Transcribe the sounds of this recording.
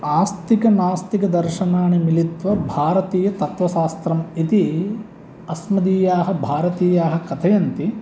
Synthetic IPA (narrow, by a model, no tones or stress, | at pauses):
aːst̪ikɐnaːst̪ikɐd̪ɐɾʃɐnaːnemilit̪ʋɐbʱaːɾɐt̪iːjɐt̪ɐt̪ʋɐʃaːst̪ɾɐmit̪i | ɐsmɐd̪iːjaːɦɐ̆bʱaːɾɐt̪iːjaːɦɐ̆kɐt̪ʰɐjɐnt̪i